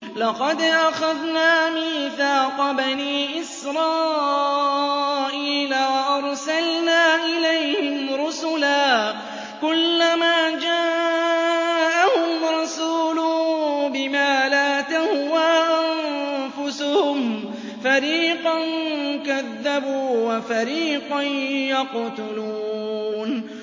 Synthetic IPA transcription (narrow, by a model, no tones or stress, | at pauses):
lɑqɑd̪ʔaxaðnaːmiːθaːqɑbaniːʔɪsɾˤɑː | ʔiːlawaʔɑɾˤsalnaːʔɪlajhhɪmɾʊsʊlaː | kʊlːamaːd͡ʒaː | ʔahʊmɾˤɑsuːlʊbɪmaːlaːt̪ahʊwaʔʔamfʊsʊhʊm | faɾiːqɑnkaðːabuːwafaɾiːqɑnjɑqt̪ʊluuːn